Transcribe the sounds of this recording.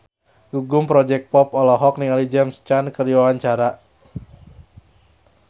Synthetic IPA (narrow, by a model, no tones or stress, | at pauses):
ɡuɡʊmpɾɔd͡ʒɛk̚pɔpɔlɔɦɔk̚niŋalid͡ʒɛmst͡ʃankərd͡ʒawaɲt͡ʃaɾa